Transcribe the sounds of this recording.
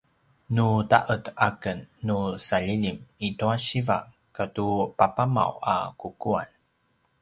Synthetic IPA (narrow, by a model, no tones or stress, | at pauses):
nuta̰ʔətakənːusaʎilimituaɕiva̰ | katupapama̰wa̰kukua̰n